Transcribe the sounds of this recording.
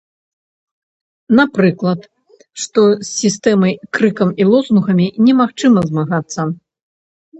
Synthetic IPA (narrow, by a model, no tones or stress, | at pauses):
napɾɨklˠɐt̪ | ʂt̪ɔsːʲist̪ɛmɐjkɾɨkɐmilˠɔznuɣɐmʲinʲɛmaxt͡ʂɨmɐzmaɣat̪sːɐ